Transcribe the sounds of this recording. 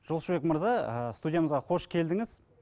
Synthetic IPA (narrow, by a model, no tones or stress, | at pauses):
ʒ̥olˠʃbekməɾzɑəst̪ud̪ʲjaməzʁɑqʰo̞ʃkʲʰe̞ld̪ɪŋɪz